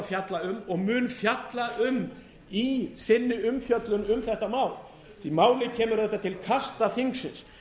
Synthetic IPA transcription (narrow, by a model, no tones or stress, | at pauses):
fjat̪laʏmɔɣmʏːnfjat̪laʔʏm | isɪnːɪʏmfjœt̪lʏnʏmθɛht̪amaːwl | θimaːwlɪcʰɛːmʏɾθɛht̪ːat̪ʰɪlkʰast̪aθiŋksɪns